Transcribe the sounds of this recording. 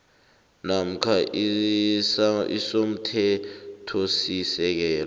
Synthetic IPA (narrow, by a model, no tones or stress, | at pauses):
nam̩kʰa | ḭsom̩tʰɛtʰɔsisɛk̬ɛːl